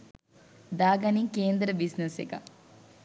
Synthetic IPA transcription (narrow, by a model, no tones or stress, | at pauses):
d̪aːɡɐnikeːnd̪ɾɐbisnesekɐ̰